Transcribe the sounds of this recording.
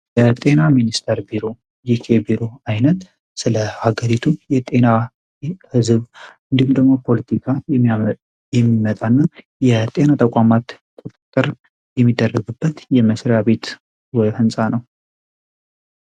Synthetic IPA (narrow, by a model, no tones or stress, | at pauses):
jɛt̪ʼe̞naminist̪ʰəɾbiɾo̞ | jikʰe̞biɾo̞ajnət̪ | sɨləaɡəɾit̪ʰujɛt̪ʼe̞na | hɨzβɨnd̪ihumd̪əɡmo̞pʰo̞lət̪ʰikʰajɛ | jɛmːimət̪ʼanːa | jɛt̪ʼe̞nat̪ʰʼəkʷʼamat̪ | kʼot̪ʼɨt̪ʼːəɾ | jɛmːid̪ːərːəɡɨbːət̪jɛməsɾjaβe̞t̪ | wɔjhɨnsʼanəw